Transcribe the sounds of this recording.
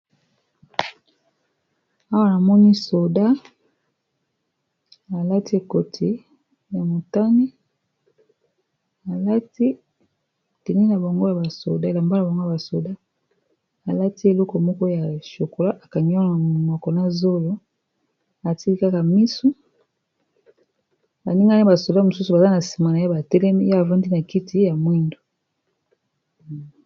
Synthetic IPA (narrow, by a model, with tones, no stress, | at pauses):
a˦wa˦˨na˨mɔ˦ni˦so˨da˦ | a˨la˦ti˦e˨ko˨tʰi˦ | ja˨mo˨ta˦ni˦ | a˨la˦ti˦˨ | te˨ni˦na˨ba˨ŋɡo˦ja˨ba˨so̰˨da˦e˨la˨mba˦la˨ba˨ŋɡo˦a˨ba˨so˨da˦ | a˨la˦ti˦e˨lɔ˦kɔ˨mɔ˦kɔ˦ja˨ʃo˨ko˨la˦ʔa˨ka˨ɲ˦ɔ˦˨mɔ˨kɔ˨na˦zo˦lo˦ | a˨ti˦i˦ka˦ka˨mi˦su˦ | ba̰˨ni˦ŋɡa˦n˦i˦ba˨so˨da˦mu˨su˦su˨ba˨za˦na˨si̥˨ma˨na˨ja˦ba˨tɛ˦lɛ˦mi˦a˦a˨va˦ndi˦na˨ki˦ti˦ja˨mwi˦ndo˨